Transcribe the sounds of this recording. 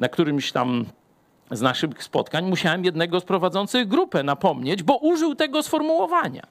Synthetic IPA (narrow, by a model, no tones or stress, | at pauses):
nakt̪uɾɘmɕt̪a̰m | znaʂɘxspɔ̰t̪kaɲmuɕawɛmjɛd̪nɛɡɔspɾɔvad̪zɔnt̪sɘɣɡɾupɛnapɔmɲed͡ʑbɔʔuʐɘwt̪ɛɡɔsfɔɾmuwɔvaɲa̰